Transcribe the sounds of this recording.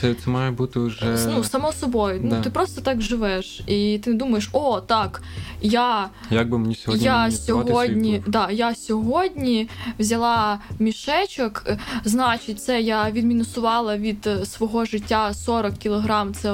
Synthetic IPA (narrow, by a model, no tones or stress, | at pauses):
sɛt̪sɛmɑjɛbut̪ɪʊʒɛnusɐmɔsɔbɔjʊnt̪ɪpɾɔst̪ɔt̪ɑkʒɪʋɛʃit̪ɪned̪umɐjeʃɔt̪ɑk | ja | jaɡ̚bɪmenʲisʲjʲasʲɔɦɔdʲnʲid̪ɑjasʲɔɦɔdʲnʲiʋzʲɐlˠɑmʲiʃɛt͡ʃɐkznɑt͡ʃɪtʲt̪sɛjaʋʲid̪mʲinʊsʊʋɑlˠɐʋʲid̪̥sʋɔɦɔʒɪtʲːasɔɾɔkkʲilˠɔɦɾɑmt̪sɛ